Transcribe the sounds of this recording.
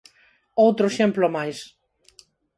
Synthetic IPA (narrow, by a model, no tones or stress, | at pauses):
owt̪ɾoeʃemplomajs